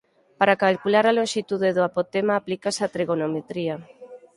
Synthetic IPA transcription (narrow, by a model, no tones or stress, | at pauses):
paɾakalkulaɾalonʃit̪uðeðoapot̪emaːplikasat̪ɾeɣonomet̪ɾia